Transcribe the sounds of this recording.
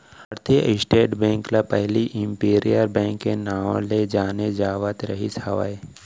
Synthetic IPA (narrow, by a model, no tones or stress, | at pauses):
ɐɾt̪ʰiɪsʈeːʈbɛ̃ːŋklapɛɦliʔɪ̃mpiːɾijəɾbɛ̃ːŋkːenãːled͡ʒaːned͡ʒaːʋət̪ɾɐ̰ɦisaʋa̰e